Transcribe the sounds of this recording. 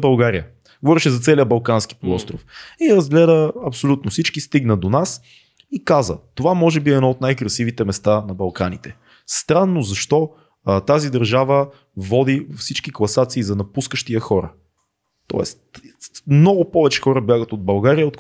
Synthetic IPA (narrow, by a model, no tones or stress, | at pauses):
bɐlˠɡaɾijə | ɡovɔɾiʃɛzɐt̪sɛliəbɐlˠkanski̥polˠɔst̪ɾofiɾɐzɡlɛd̪əɐpsolʲut̪nʊfsit͡ʃkist̪iɡnəd̪onas | ikazə̰t̪ovamɔʒɛbiɛd̪nɔot̪najkɾɐsivit̪ɛmɛst̪anɐbɐlˠkanit̪ɛ | st̪ɾanːozɐʃt̪ɔ | t̪azid̪ɐɾʒavə | vɔd̪ivfsit͡ʃkiklˠɐsat̪siːzɐnɐpuskəʃt̪iəxɔɾə̰ | t̪ɔ̰ɛ̰st̪mnɔɡʊpɔvɛt͡ʃɛ̥xɔɾəbjaɡət̪od̪̚bɐlˠɡaɾijəot̪